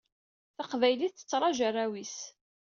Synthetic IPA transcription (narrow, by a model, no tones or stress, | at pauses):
θəqvæjliθə̥t͡sːɾˤɑʒərˤːæwis